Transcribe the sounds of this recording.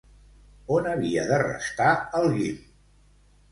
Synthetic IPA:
onəβiəðərə̰st̪aəlˠɣim

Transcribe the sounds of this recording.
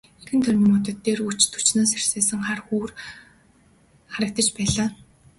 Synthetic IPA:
exɘ̆nt̪ʰœɾʲɪmʊt̪ə̆t̪ːeːrut͡ɕt̪ʰu̥t͡ɕnoːserseːsə̆ŋχarxuːr | χaɾə̆k̚t̪ə̆t͡ɕpæːɮaː

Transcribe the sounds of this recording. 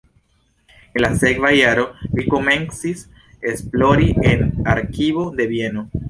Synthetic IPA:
enlase̞kvajaɾo̞liko̞me̞nsis | e̞splo̞ɾienaɾkiβo̞d̪e̞bie̞no̞

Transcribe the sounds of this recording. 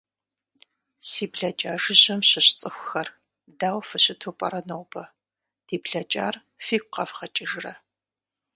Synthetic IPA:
siːbɮɐt͡ʃʼaːʒɨʑɐmɕɪɕt͡sʼɨxʷʊxɐr | daːwfɨɕɪtʰoːpʼɐ̰ɾɐnowbɐ | d̥iːbɮɐt͡ʃʼa̰ːr | fiːkʷʼqɐvχɐt͡ʃʼɪʒrɐ

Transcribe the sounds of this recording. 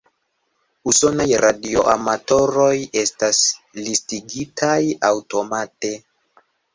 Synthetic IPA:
uso̞najɾadio̞̰ʔamato̞ɾo̞je̞staslistiɡitʰajawto̞mate̞

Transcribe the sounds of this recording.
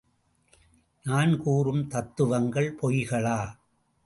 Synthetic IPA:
naːnkuːrɯmt̪ɐt̪ːɯʋɐŋɡɐɭpɔjɣɐɭaː

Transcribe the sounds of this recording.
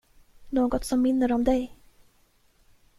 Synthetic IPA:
noːɡɔt̪sɔmːɪnːəɾɔmd̪ɛj

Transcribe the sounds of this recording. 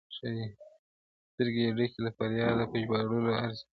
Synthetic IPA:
ʃaji | st̪əɾɡeaɖikelafaɾjɑd̪apəʒbɑɽuloaɾzi

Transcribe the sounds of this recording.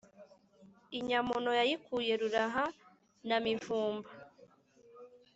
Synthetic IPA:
iɲamunojajikuːje̞ɾuɾaɦa | namiɱfuːmba

